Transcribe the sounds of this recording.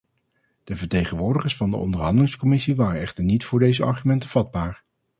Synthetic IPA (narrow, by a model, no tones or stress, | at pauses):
d̥əvəɹtejχənʋʊːɹdəχəɹsfɑndə̰ɔ̰ndəɹɦɑndəlɪŋskɔmɪsiʋaːrənɛχtəɹnitfʊːɹdejzəɑ̰ɹχymɛntəv̥ɑd̚baːɹ